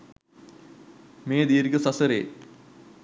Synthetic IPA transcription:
meːd̪iːɾikɐsɐsɐɾḛː

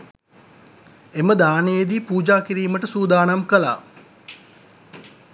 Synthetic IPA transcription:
eməd̪aːnejed̪iːpuːd͡ʒaːkiɾiːməʈəsuːd̪aːnamkəla̰ː

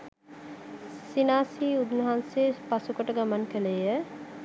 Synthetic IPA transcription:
sinaːsiːud̪nuɦanseːpasukəʈəɡamankəlejə

